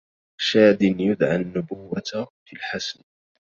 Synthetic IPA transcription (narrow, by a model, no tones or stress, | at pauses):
ʃaːd̪ɪnjʊd̪ʕanːʊbʊwːafilħasn